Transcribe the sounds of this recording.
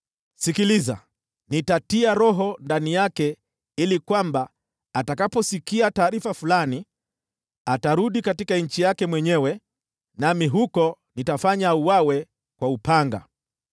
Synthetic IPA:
sikiliza̰ | nitatiaɾɔɦɔndanijakɛ | ilikwambaː | takapɔsikiataːɾifafulani | ataɾuɗikatikaɲ̩t͡ʃijakɛmwɛɲɛwɛ | namiɦukɔ | nitafaɲauwawɛ | kwaupaŋɡa̰

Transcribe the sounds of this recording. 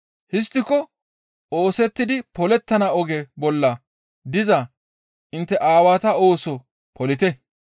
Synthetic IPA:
hɪst̪ːɪkɔ | oːsɛt̪ːɪd̪ɪpɔlɛt̪ːɐnɐɔɡɛbɔlːɐ | d̪ɪzɐ | ʔɪnt̪ːɛʔaːwaːt̪ɐoːsɔ | pɔlɪt̪ɛ

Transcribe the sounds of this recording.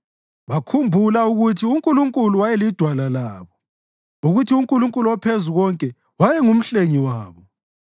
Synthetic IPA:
βakʰumbʱulauɣutʰiuŋkʼuluŋkʼuluwajelid̥ʱwalalaːβɔ | uɣutʰiuŋkʼuluŋkʼuluwɔpʰezuɣɔŋkʼɛ | wajɛŋum̩ɬeŋiwaːβɔ

